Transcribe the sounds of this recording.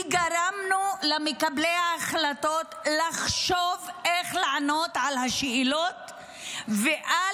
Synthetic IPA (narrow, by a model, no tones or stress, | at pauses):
ɡaɾamnulamekablejaːχlato̞t̪laχʃovʔeχlaʕano̞t̪ʕalhaʃeilot̪ | veʔa